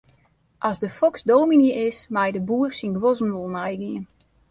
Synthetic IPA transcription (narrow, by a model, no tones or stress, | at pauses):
ʔɔzdəfɔksdoːminiʔɪsmɛjdəbuərsinɡʋozn̩ʋolˠnɛjɡiən